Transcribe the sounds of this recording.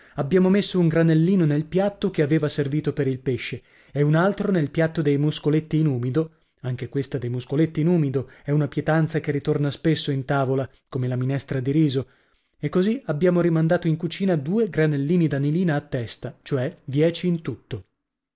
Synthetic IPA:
abːjaːmomesːouŋɡɾanelːiːnonelpjat̪ːokeaveːvaserviːt̪opeɾilpeʃːe | eunalt̪ɾonelpjat̪ːod̪ejmuskolet̪ːiːnuːmid̪o | aŋk̟ekwest̪ad̪ejmuskolet̪ːiːnuːmid̪oɛunapjet̪ant̪sakerit̪ornaspesːoint̪aːvola | komelaminɛst̪ɾad̪iɾiːzo | ekːoziabːjaːmoɾimand̪aːt̪oiŋkut͡ʃiːnad̪uːeɡɾanelːiːnid̪aniliːnaːt̪ːɛst̪at͡ʃoɛd̪jɛːt͡ʃiːnt̪ut̪ːo

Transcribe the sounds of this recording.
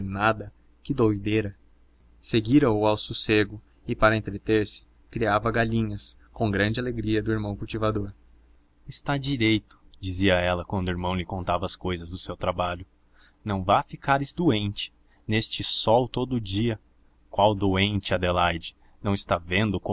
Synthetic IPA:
nad̪ɐ | kɪd̪ojd̪eɾɐ | seɡiɾɐoʊawsuseɡʊ | ɪpaɾɐẽnt̪ɾet̪eɾsɪ̥ | kɾiavɐɡaʎĩɲɐs | kõw̃ɡɾɐ̃nd͡ʒɪaleɡɾiɐd̪ʊiɾmɐ̃w̃kuwt͡ʃivad̪oɾ | ɪst̪ad͡ʒiɾejt̪ʊ̥d͡ʒiziɐɛlɐkwɐ̃nd̪ʊiɾmɐ̃w̃lɪkõnt̪avɐskojzɐzd̪ʊsewt̪ɾabaʎʊ | nɐ̃w̃vafikaɾɪzd̪oẽnt͡ʃɪ̥ | nest͡ʃɪsɔwt̪od̪ʊʊd͡ʒiɐ | kwawd̪oẽnt͡ʃɪɐd̪elajd͡ʒɪ | nɐ̃w̃ɪst̪avẽnd̪ʊko

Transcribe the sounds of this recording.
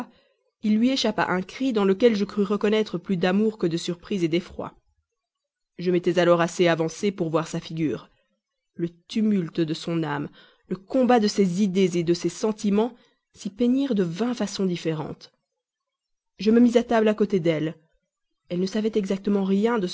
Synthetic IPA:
ilːɥieʃapa̰ʔɛ̃kχid̪ɑ̃ləkʲɛlʒəkχyʁəkɔnɛt̪χəplyd̪amuʁkəd̪əsyʁpχized̪efχwa̰ | ʒəmet̪ɛzalɔʁaseavɑ̃sepuʁvwaʁsafiɡʲyːʁ | lət̪ymylt̪d̪əsɔ̃nam | ləkɔ̃bad̪əsɛzid̪ezed̪əsɛsɑ̃t̪imɑ̃ | sipeɲiʁd̪əvɛ̃fasɔ̃d̪ifeʁɑ̰̃t̪ | ʒəməmizat̪ablakot̪ed̪ɛl | ɛlnəsavɛt̪ɛɡzak̚t̪əmɑ̃ʁjɛ̃d̪ə

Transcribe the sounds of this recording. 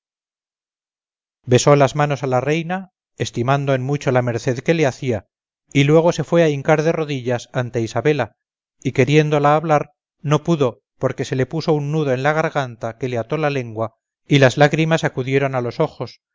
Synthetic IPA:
be̞so̞lazmano̞salare̞jna | e̞st̪imand̪oenmut͡ʃolame̞ɾθe̞ðke̞le̞aθia | ilwe̞ɣ̞o̞se̞fwe̞aiŋkaɾðe̞ro̞ðiʎasant̪e̞isaβe̞la | ike̞ɾje̞nd̪o̞laːβlaɾ | no̞puðo̞ | po̞ɾke̞se̞le̞puso̞unːuðo̞e̞nlaɣ̞aɾɣant̪ake̞le̞at̪o̞lale̞ŋɡwa | ilazlaɣɾimasakuðje̞ɾo̞nalo̞so̞xo̞s

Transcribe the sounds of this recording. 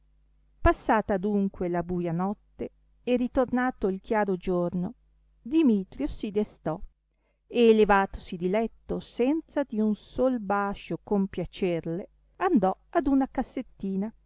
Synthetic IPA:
pasːaːt̪ad̪uŋkwelabuːjanɔt̪ːe | erit̪ornaːt̪oilk̟jaːɾod͡ʒorno | d̪imiːt̪ɾjosid̪est̪ɔ | eːlevaːt̪o̥sid̪ilɛt̪ːosɛnt̪sad̪iunsolbaʃokompjat͡ʃerle | and̪ɔad̪unakasːet̪ːiːna

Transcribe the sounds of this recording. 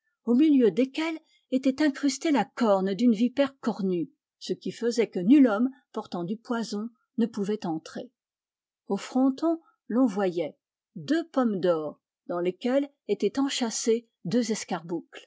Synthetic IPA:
omiljød̪ekʲɛl | et̪ɛt̪ɛ̃kχyst̪elakɔʁnd̪ynvipɛʁkɔʁny | səkʲifəzɛkənylɔmpɔʁt̪ɑ̃d̪ypwazɔ̃ | nəpuvɛt̪ɑ̃t̪χe | ofχɑ̃t̪ɔ̃ | lɔ̃vwajɛ | d̪øpɔmd̪ɔːʁ | d̪ɑ̃lekʲɛl | et̪ɛt̪ɑ̃ʃase | d̪øzɛskaʁbukl

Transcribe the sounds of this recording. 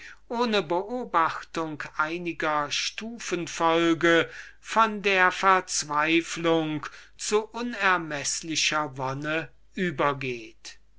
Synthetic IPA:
ʔoːnəbəʔoːbaxtʊŋkʰʔaɪnɪɡɐʃtuːfənfɔlɡəfɔndeːɐfɛɐt͡sv̥aɪflʊŋk | t͡suʔʊnɛɐmɛslɪʃɐvɔnə | ʔyːbɐɡeːt

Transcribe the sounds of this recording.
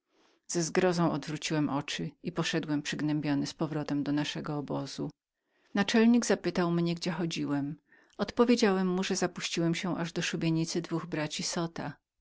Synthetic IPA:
z̥ɛzɡɾɔzɔ̃w̃ɔd̪vɾut͡ɕiwɛmʔɔt͡ʂɘipɔʂɛd̪wɛmpʂɘɡnɛmbʲjɔnɘspɔvɾɔt̪ɛmd̪ɔnaʂɛɡɔːbɔz̥u | nat͡ʂɛlɲiɡzapɘt̪awmɲɛɡd͡ʑɛxɔd͡ʑiwɛm | ɔt̪pɔvʲjed͡ʑawɛmːuʐɛzapuɕt͡ɕiwɛmɕɛʔaʐd̪ɔʂubʲeɲit̪sɘd̪vuɣbɾat͡ɕisɔt̪a

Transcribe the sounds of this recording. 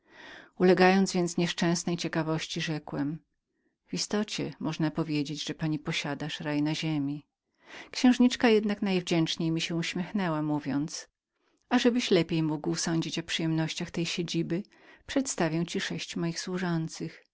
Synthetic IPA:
ulɛɡajɔnzvʲjɛnt̪sɲɛʂt͡ʂɛ̃w̃snɛjt͡ɕɛkavɔɕt͡ɕiʐɛkwɛm | v̥ist̪ɔt͡ɕɛ̰mɔʐnapɔvʲjed͡ʑed͡ʑʐɛpaɲipɔɕad̪aʂɾajnaʑemʲi | kɕɛ̃w̃ʐɲit͡ʂkajɛd̪naknajvd͡ʑɛnt͡ʂɲejmʲiɕɛuɕmʲjɛxnɛwamuvʲjɔnt̪s | aʐɛbɘɕlɛpʲjejmuɡwsɔɲd͡ʑit͡ɕɔpʂɨjɛmnɔɕt͡ɕaxt̪ɛjɕed͡ʑibɘ | pʂɛt̪st̪avʲjaw̃t͡ɕiʂɛɕt͡ɕmɔjixswuʐɔnt̪sɨx

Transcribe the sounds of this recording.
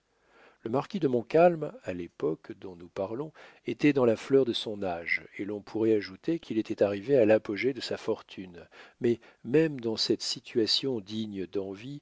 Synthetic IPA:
ləmaʁkʲid̪əmɔ̃kalmalepɔkd̪ɔ̃nupaʁlɔ̃ | et̪ɛd̪ɑ̃laflœʁd̪əsɔ̃naʒelɔ̃pʰuʁɛaʒut̪ekʲʰilet̪ɛt̪aʁivealapɔʒed̪əsafɔʁt̪ʰynmɛ | mɛmd̪ɑ̃sɛt̪sit̪ʰɥasjɔ̃d̪iɲd̪ɑ̃vi

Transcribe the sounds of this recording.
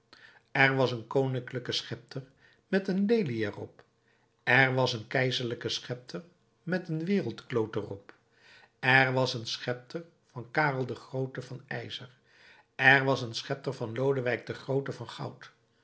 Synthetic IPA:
ɛɹʋɑsənkownɪŋkləkəsχɛp̚tʰəɹ | mɛtənlejliɛrɔ̰p | ɛrʋɑsənkɛjzəɹləkəsχɛp̚tʰər | mɛtənʋɪːrəlˠtklowtərɔp | ɛɹʋɑsənsχɛp̚tʰəɹ | vɑnkaːrəlˠdəχrowtəvɑnɛjzər | ɛɹʋɑsənsχɛp̚təɹvɑnlowdəʋɛjɡ̚dəχrowtəvɑnχɑ̰wt

